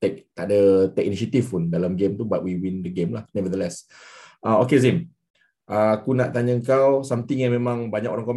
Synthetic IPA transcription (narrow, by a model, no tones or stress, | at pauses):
t̪ɛk̚t̪aʔdat̪ɛk̚iniʃət̪ifpundalamɡemt̪ubat̚wiwindəɡemlahnɛvəd̪əlɛs | ʔaokezin | ʔaakunaʔt̪aɲəəŋkawsamt̪iŋjaŋmẽmãŋbaɲakoɾaŋkom